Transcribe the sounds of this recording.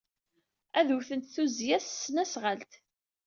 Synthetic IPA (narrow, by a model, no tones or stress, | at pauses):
æðuθənt̪θuzjæssːnæsʁəlt̪